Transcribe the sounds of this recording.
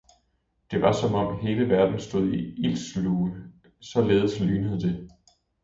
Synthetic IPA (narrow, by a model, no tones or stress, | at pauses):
d̥e̝ʋɑ̈sɒ̽mɒ̽m̰he̝ːləʋæɐd̥n̩sd̥o̝ð̞̰ˠiil̰sluːə | sɒ̽leːðˠəslyːnəð̩ˠd̥e̝